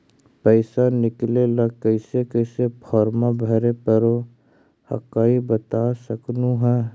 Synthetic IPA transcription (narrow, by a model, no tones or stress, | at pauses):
pəɪsanɪklelakəɪsekəɪsepʰɔːɾmabʱɐɾepəɾo | hɐ̰kaːibət̪asəknũɦɛː